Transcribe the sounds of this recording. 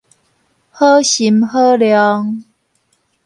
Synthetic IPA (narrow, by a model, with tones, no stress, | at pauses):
hɤ˦ɕi˨˦mhə˦ljɔ˧ŋ